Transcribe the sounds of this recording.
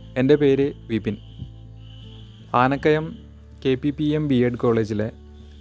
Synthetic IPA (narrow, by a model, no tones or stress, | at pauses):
e̞nde̞pe̞ːɾɨʋipin | aːnɐkːɐjɐm | ke̞ːpːipiembieɖko̞ːɭe̞ːd͡ʑile